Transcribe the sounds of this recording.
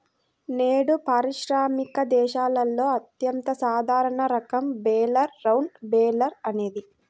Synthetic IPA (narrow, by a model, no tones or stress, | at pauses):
neːɽupaːɾiʃɾaːmikɐd̪ɛːʃaːlɐlːo̞ːɐt̪jɐnt̪ɐsaːd̪ʱaːɾɐɳɐɾɐkɐmbɛːlɐɾːɐwnbɛːlɐɾɐne̞ːd̪i